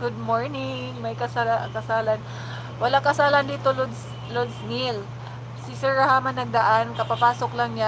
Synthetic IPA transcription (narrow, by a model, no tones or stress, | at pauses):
ɡʊd̪̚moɹnɪŋmɐjkɐsakɐsaːlan | wɐlaŋkɐsaːlɐnd̪iːt̪olod̪s | lod̪snil | sɪsɛɹɐhaːmɐnɐɡ̚d̪ɐʔankɐpapaːsoklaŋɲa